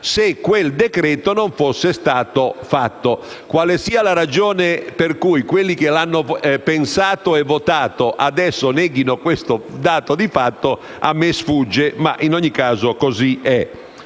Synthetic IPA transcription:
sekːweld̪ekɾɛːt̪onoɱfosːest̪aːt̪ofat̪ːo | kwalesiːalaɾad͡ʒoːneperkujkwelːikelanːopensaːt̪oɛvot̪aːt̪oʔad̪ɛsːonɛɡinokwest̪od̪aːt̪od̪ifat̪ːo | a̰mːesfud͡ʒːema̰ʔinoɲːikaːzokoziɛ

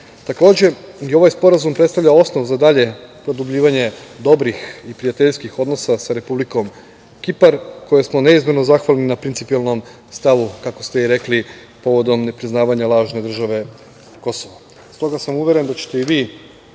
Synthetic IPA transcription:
t̪ako̞ːd͡ʑe̞jeo̞ʋajspo̞ɾazumpɾet̪t̪aʋʎao̞sno̞ʋuzad̪aʎe̞pɾo̞d̪ublʎiːʋaɲe̞d̪o̞bɾixipɾijat̪eʎskixo̞d̪no̞sasaɾe̞publiko̞m | kipaɾko̞jesmo̞ne̞izmeno̞zaxʋalninapɾint̪sipialˠno̞m | st̪aʋukako̞st̪eiɾe̞kli | po̞ʋo̞d̪o̞mne̞pɾiznaːʋaɲalˠaːʒne̞d̪r̩ʒaʋe̞ | ko̞soʋa | st̪o̞ɡasamuʋjeɾe̞nd̪at͡ɕe̥t̪e̞iʋiː

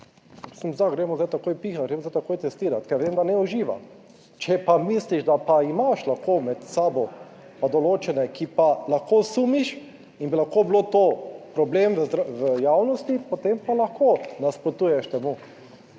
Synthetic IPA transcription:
psimzd̪aɡɾɛmɔzajt̪akoːjpiːxat̪ɡɾeːmɔzajt̪akoːjt̪ɛst̪iːɾat̪kɛɾʋemd̪anɛuʒiːʋa̰ | t͡ʃɛpamisliʃd̪apaimaʃlaxkoːmɛt̪saːbɔ | pad̪ɔloːt͡ʃɛnɛkipalaxkosuːmiʃ | inbilaxkoːblot̪oːpɾɔbleːmʋəzɾʋəjaːwnɔst̪ipot̪empalaxkoːnaspɾot̪uːjɛʃt̪ɛmuː

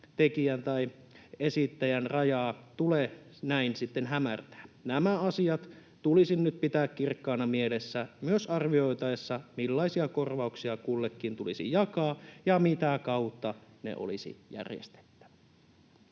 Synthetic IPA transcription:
t̪ekiænt̪ɑi | esit̪ːæjænrɑjɑːt̪ule | næinsit̪ːenɦæmært̪æ̥ːnæmæɑsiɑt̪ | t̪ulisinnyt̪̚pit̪æːkkirkːɑːnɑmielesːæmyøsɑrʋioit̪ɑesːɑmilːɑisiɑkorʋɑuksiɑkulːekːint̪ulisḭjɑkɑːjɑmit̪ækɑut̪ːɑnḛʔo̰lḭsḭjæ̰rjḛst̪e̥t̪ːæ̥ʋæ̥

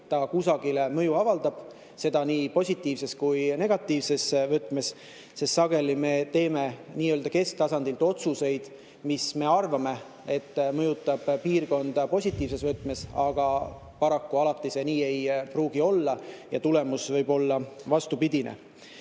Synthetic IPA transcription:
t̪ɑkusɑɡ̥ilemɤ̞juɑvɑld̪ɑb̥ | se̞d̪ɑniːpo̞sʲit̪ːˑiːvse̞skujne̞ɡ̥ɑt̪ːˑiːvse̞svɤt̪ːˑme̞s | se̞st̪sɑɡ̥e̞lime̞t̪e̞ːme̞niːø̞ld̪ɑke̞sk̚t̪ɑsɑnd̪̥ilt̪o̞t̪suse̞jd̪̥ | misme̞ɑrvɑme̞ | e̞t̪ːmɤjut̪ːˑɑb̥piːrko̞nd̪̥ɑpo̞sʲit̪ːˑiːvse̞svɤt̪ːˑmesɑɡ̥ɑ | pɑɾɑkːuɑlɑt̪ːˑise̞niːe̞jpruːɡ̥io̞lːɑjɑ̰t̪ule̞musvɤjbo̞lːɑvɑst̪upid̪̥inʔḛ

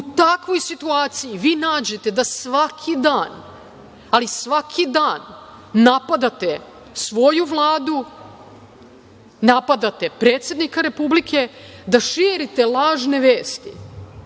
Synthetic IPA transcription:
ut̪akʋo̞jsit̪uaːt̪sijiʋiːnaːd͡ʑe̞t̪e̞d̪asʋakʰid̪aːn | alisʋakʰid̪aːnː | apad̪at̪e̞ | sʋo̞juʋlˠaːd̪u | napad̪at̪e̞pɾe̞ːt̪sje̞d̪nikaɾe̞publikʰe̞d̪aʃiɾit̪e̞lˠaːʒne̞ʋeːst̪ḭ

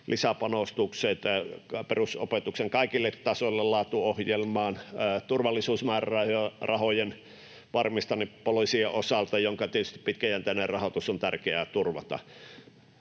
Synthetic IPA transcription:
lʔisæpɑnost̪ukset̪peruso̰pet̪ukseŋkɑˑikilːet̪tɑsolːellɑːt̪uohjelmɑːnːt̪urʋɑlːˑisuːsmæˑːrɑˑhorɑhojen | ʋɑrmist̪ɑnippoloisieʔosɑlt̪ɑjoŋkɑt̪iet̪yst̪i̥ppit̪kæjænt̪æˑnerrɑhot̪usont̪ærkeæːˑt̪urʋɑt̪ɑ̰

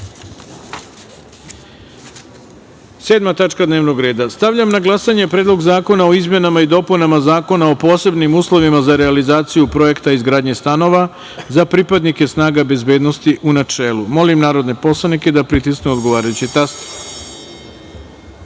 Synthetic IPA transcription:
seːd̪mat̪at͡ʃkad̪neːʋno̞ɡɾe̞ːd̪ast̪aʋʎamnaɡlˠasaɲe̞pɾeːd̪lo̞ɡzaːko̞nao̞izmje̞namaid̪o̞punamazaːko̞nao̞po̞ːse̞bnimuːslˠo̞ʋimazaɾealizaːt̪sijupɾo̞je̞kt̪aizɡɾaːd̪ɲe̞st̪ano̞ʋa | zapɾipad̪nike̞snaːɡabe̞zbe̞ːd̪no̞st̪iʔunat͡ʂe̞ːlˠumo̞limnaːɾo̞d̪ne̞po̞slˠaniked̪apɾit̪isknuo̞d̪ɡo̞ʋaːɾajut͡ɕit̪ast̪

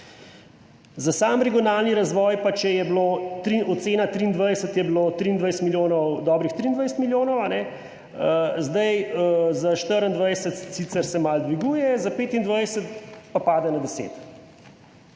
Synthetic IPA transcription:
zasamɾɛɡiɔnalniɾazʋɔːjpat͡ʃɛjɛblot̪ɾiɔt̪seːnat̪ɾiːnd̪ʋajsət̪jɛblot̪ɾiːnd̪ʋajsət̪miljoːnɔwd̪ɔːbɾixt̪ɾiːnd̪ʋajsət̪miljoːnɔwanɛ | əzd̪ajəzaʃt̪əɾənd̪ʋajsət̪sit̪səɾsɛmald̪ʋiɡuːjɛzapeːt̪ind̪ʋajsət̪papaːd̪ɛnad̪ɛsḛːt̪

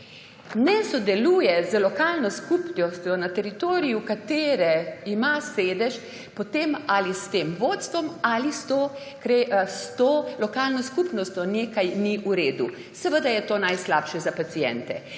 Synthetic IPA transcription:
nɛsɔd̪ɛluːjɛzəlɔkaːlnɔskupnɔst̪ʲjɔnat̪ɛɾit̪oːɾijukat̪eːɾɛimaseːd̪ɛʃ | pɔt̪emalist̪emʋoːt̪st̪ʋɔmalist̪o | kɾɛst̪oːlɔkaːlnɔskupnɔst̪ʲjɔneːkajniʔuɾeːd̪u | sɛʋəd̪ajɛt̪oːnajslaːpʃɛzapat̪sijɛ̰nt̪ɛ

